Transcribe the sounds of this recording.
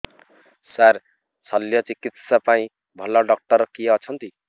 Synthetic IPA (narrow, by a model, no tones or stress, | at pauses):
sar | t͡sʰʌljʌt͡sikit̪sapaĩ | bʱʌlʌɖʌk̚ʈʌɾkiʌt͡sʰʌnt̪i